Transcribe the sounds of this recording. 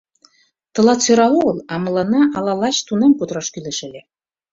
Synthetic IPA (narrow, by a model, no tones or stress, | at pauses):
t̪ɤ̆lˠɑt͡søɾɑoɤlˠɑmɤ̆lˠɑnɑʔɑlɑlɑt͡ɕt̪unemkut̪ɾɑʃkyleʃɘ̆lʲe